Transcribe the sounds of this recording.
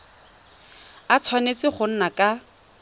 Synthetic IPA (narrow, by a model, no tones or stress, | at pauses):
at͡sʰwanet͡sɪχʊn̩nakʼa